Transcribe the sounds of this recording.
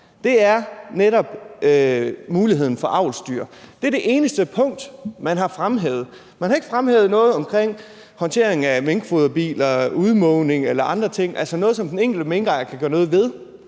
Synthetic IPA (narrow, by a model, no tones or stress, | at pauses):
d̥e̝æɐneɾɒ̽b̥ømuːliɦe̝ð̰ˠn̩fɒ̽ʔɑ̈ʊ̰lsd̥yːɐd̥eɐd̥e̝ʔe̝ːnəsd̥əpʰɔ̽ŋ̰d̥mænɦɑ̈fʁamɦḛʊð̞̩ˠ | mænhɑ̈e̝ɡ̥ə̥fʁamheːʊð̞̩ˠnɔ̽ːð̞̩ˠɒ̽mkʰʁeŋ̰ | hɒ̽nt͡sʰe̝̰ɐ̰e̝ŋ̩æmeŋɡ̥foðˠɐb̥ḭːlɐuð̞ˠmɔʊne̝ŋelɐʔɑ̈nd̥ʁɐt͡sʰe̝ŋ̰ʔælsənɔ̽ːðˠsɒ̽md̥eneŋ̰ɡ̥l̩d̥əmeŋɡ̥ɑɪɐkʰæɡ̥ɶːɐnɔ̽ːð̞̩ˠʋe̝ð̞ˠ